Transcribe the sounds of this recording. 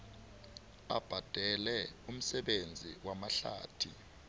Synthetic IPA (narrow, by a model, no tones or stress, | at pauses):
a̰b̥ʱad̥ʱɛlɛum̩sɛɓend͡zʱiwamaɬa̰ːtʰi